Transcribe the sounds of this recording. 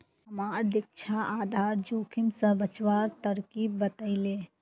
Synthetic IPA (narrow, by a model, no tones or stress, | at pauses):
ɦəmaːɾd̪ɪk̚t͡ʃʰaaːd̪ʱaːɾd͡ʒuːkʰɪmsəbət͡ʃwaːɾt̪əɾkiːbːət̪aileː